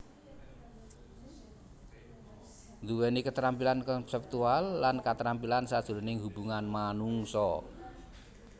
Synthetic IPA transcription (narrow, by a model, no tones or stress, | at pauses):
nd̪uwɛnikət̪əɾampilankɔnsɛp̚t̪ualːankat̪əɾampilansad̥ʒ̥ṳɾonɪŋɦub̥uŋanmanuŋsɔ